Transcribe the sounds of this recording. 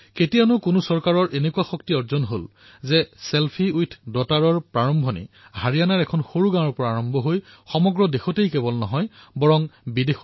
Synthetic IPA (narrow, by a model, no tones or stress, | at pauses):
ketijanʊkʊnʊsɔɹkaɹɔɹʔenekuaxɔktiɔɹzɔnɦol | zɛselpʰiujtʰdɔtaɹɔɹpɹaɹɔmbʱɔnḭ | haɹijanaɹɛkʰɔnxoɹuɡãnɔɹpɔɹaɹɔmbʱɔɦoj | xɔmɔɡɹɔdexɔtejkebɔlnɔɦɔjbɔɹɔŋbidex